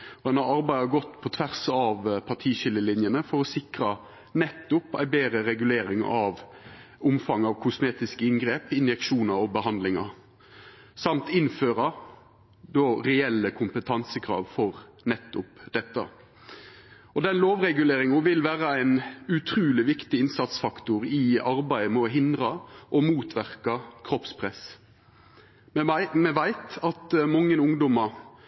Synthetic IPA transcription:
ɔd̪ɛnɑʁɑɾbæɪɑɡɔt̪ːpʰɔt̪ʰʋæʁsɑʋpʰɑʁʈʰiːʃɪlːəlɪnjənəfɔɾɔsɪkɾɑ | nɛt̪ːʊpæ̰ɪbeːɾəɾɛɡʉleːɾɪŋɑʋ | ʊmfɑŋːɑʋkʰʊsmeːt̪ɪskəɪŋɡɾeːpɪnjɛkʃuːnɑɾɔbəɦɑnd̪lɪŋɑ̰ | sɑmt̪ɪnføːɾɑ | d̪ɔɾɛɛlːəkʰʊmpət̪ʰɑnsəkʁɑ̰ːʋfɔʁ | nɛt̪ːʊpd̪̥ɛt̪ːɑ̰ | ɔd̪ɛnloːʋʁɛɡʉleːɾɪŋʊʋɪlʋæːɾəæɪnʉt̪ʰɾʉːlɪʋɪkt̪ɪɪnsɑt̪sfɑkt̪ʊʁɪɑɾbæɪəmɛɔɦɪnd̪ʁɑʔɔmuːt̪ʰʋæʁkɑkʰɾɔpspʰʁɛs | mɛʋæɪt̪ɑt̪mɑŋːənʊŋd̪ɔmɑ

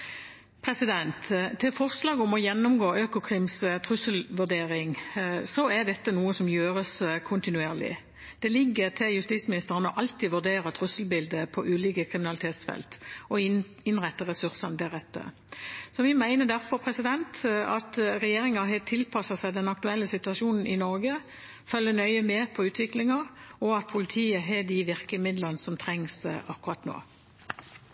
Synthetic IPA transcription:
pʰɾɛsɪd̪ɛnt̪t̪ʰːɪfɔʁslɑːɡɔmɔjɛnːʊmɡoːʔøːkʊkʰʁɪmst̪ʰʁʉsəlʋʉʁd̪eːɾɪŋsɔæd̪ɛt̪ːənuːəsɔmjøːʁəskʰʊnt̪ɪnʉeːʁlɪ̰ | d̪̥ɛlɪɡːəʁt̪ʰɪljʉst̪iːt̪smɪnɪst̪əʁənəɔʔɑlt̪iːʋʉʁd̪eːɾɑt̪ʰɾʉsəlbɪld̪əpʰɔʔʉːliːkəkʰɾɪmɪnɑlɪt̪ʰeːt̪sfɛ̰lt̪ɔ | ɪnʁæt̪ːəʁɛsʉɾsɑnd̪æʁɛt̪ːə̰ | sɔʋɪmæɪnəd̪æʁfɔʁpʰɾɛsɪd̪ɛnt̪ɑt̪ʁɛjeːʁɪŋɑɦɛt̪ʰɪlpʰɑsɑsæɪd̪ɛnɑk̚t̪ʉɛlːəsɪt̪ʉɑʃuːnn̩ʔɪnɔʁɡə | fœlːənœʏəmɛpʰɔʉːt̪ʰʋɪklɪŋɑʁɔɑt̪̚pʰʊlɪt̪ʰiːəɦɛd̪ɪʋɪʁkəmɪd̪lənsɔmt̪ʰʁɛŋsʔɑkːʉʁɑt̪no̰ː

